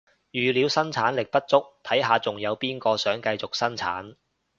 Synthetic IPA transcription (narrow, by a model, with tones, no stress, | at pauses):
jyː˨˩liː˨˧wsɐ˥nt͡sʰaː˨˥nlɪ˨k̚pɐ˥t̚t͡sʊ˥k̚t̪ʰɐ˨˥jɦaː˨˧t͡sʊ˨ŋjɐ˨˧wpiː˥nkɔː˧sœː˨˥ŋkɐ˧jt͡sʊ˨k̚sɐ˥nt͡sʰa̰ː˨˥n